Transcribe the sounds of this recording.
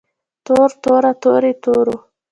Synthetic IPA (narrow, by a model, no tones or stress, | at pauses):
t̪oɾt̪oɾat̪oɾet̪oɾo